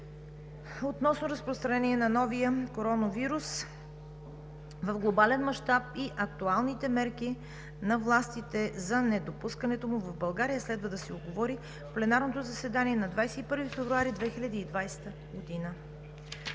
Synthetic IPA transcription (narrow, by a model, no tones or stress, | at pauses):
ot̪nɔsnoɾəspɾost̪ɾɐnɛniɛnɐnɔvijəkoɾɔnəviɾus | vɐfɡlˠobalɛnmɐʃt̪ap̚iʔɐk̚t̪ualˠnit̪ɛmɛɾki | nɐvlˠast̪it̪ɛzɐnɛd̪opuskənɛt̪omʊvɐvbɐlˠɡaɾijəslɛd̪vəd̪ɐsɛod̪ɡovɔɾi | fplɛnaɾnot̪ozɐsɛd̪aniɛnɐd̪vajsɛipɤɾvifɛvɾuaɾid̪vɛxilʲɐd̪iːd̪vajst̪ə | ɡod̪inə